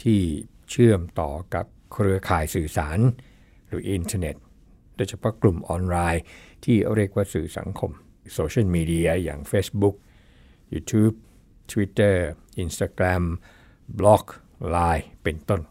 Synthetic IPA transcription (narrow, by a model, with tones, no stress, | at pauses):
t̪ʰiː˥˩ | t͡ɕʰɯ˥˩əmt̪ɔː˨˩ka̰˨˩p̚kʰɾɯ˧ɐkʰaː˨˩jsɯː˨˩sa̰ː˩˦n | ɾɯː˩˦ʔi˧nt̪ʰa˧ne˨˩t̪̚ | do˧˥˩jt͡ɕʰa˧pʰɔ˦˥˩klu˨˩mʔɔː˧nlaː˧jt̪ʰiː˥˩ɾi˥˩ək̚waː˥˩sɯː˨˩sa̰˩˦ŋkʰo˧m | soː˧t͡ɕʰi˥˩lmiː˧di˧ɐja̰ː˨˩ŋfeː˦˥sbu˦˥k̚ | juː˧˩t̪ʰuː˦˥p̚ | t̪ʰwi˦˥t̪ːɤː˥˩ʔi˧nst̪aː˧kɾa˧m | blɔ˦˥k̚ | laː˧jpe˧nt̪o˥˩n